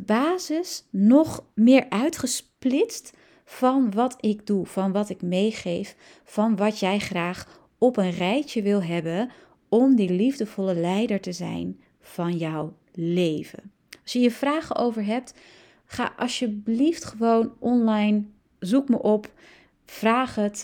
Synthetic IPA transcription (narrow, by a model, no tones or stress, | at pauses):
baːzɪsnɔχmɪːɹʔœɥtχəsplɪtst | fɑnʋɑtʰɪɡ̚duv̥ɑnʋɑtɪkmejχejf | fɑnʋɑtjɛjχraːχ | ɔpənrɛjtəʋɪlˠɦɛbən | ɔmdilivdəvɔləlɛjdəɹtəzɛ̰jn | v̥ɑnjɔw | lejvə̰n | ɑlˠsjəjəv̥raːχəʔowvəɹɦɛp̚t | χa̰ːʔɑlˠʃjəbliftχəʋownʔɔnlɑjn | zukməʔɔp | v̥raːχət